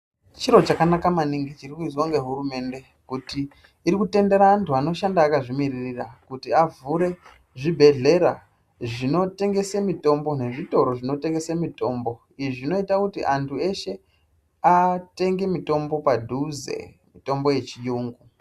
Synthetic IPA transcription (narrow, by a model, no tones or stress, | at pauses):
t͡ʃiɾo̞t͡ʃakanakamaniŋɡit͡ʃirikuiswaŋɡe̞ɦurume̞nde̞ | kutiː | rikute̞nde̞ɾaːntuano̞ʃandaːkaʐimiririrakutiavuɾe̞ | ʐibʱe̞ɮe̞ɾa | ʐino̞te̞ŋɡe̞semito̞mbo̞ne̞ʐito̞ɾo̞ʐino̞te̞ŋɡe̞semito̞ːmbo̞ | iʐino̞itakutiʔantʰue̞ʃe̞ | ate̞ŋɡe̞mito̞mbo̞padʱuzḛ | mito̞mbo̞je̞t͡ʃijuːŋɡu